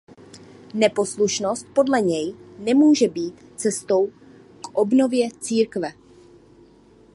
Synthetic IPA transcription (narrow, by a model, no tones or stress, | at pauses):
nɛpo̞sluʃno̞st̪̚po̞dlɛɲɛjnɛmuːʒɛbiːt̪ | t͡sɛst̪o̞w | kʔobno̞vjɛt͡siːɾkvɛ